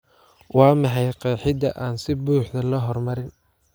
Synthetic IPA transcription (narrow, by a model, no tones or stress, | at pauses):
wɑːmɐħɑjqɑːħɪd̪ɐʔaːnsɪbuːħd̪ɐlɐɦɔrmɐɾɪn